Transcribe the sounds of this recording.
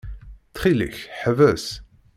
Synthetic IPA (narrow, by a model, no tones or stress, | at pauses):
θχilḭçħəvæs